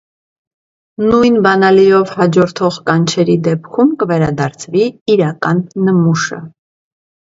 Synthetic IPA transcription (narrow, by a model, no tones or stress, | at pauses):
nujnbɑnɑlijɔvhɑd͡ʒɔɾt̪ʰɔʁkɑnt͡ʃʰɛɾid̪ɛpkʰumkəvɛɾɑd̪ɑɾt͡sʰviiɾɑkɑnːəmuʃə̰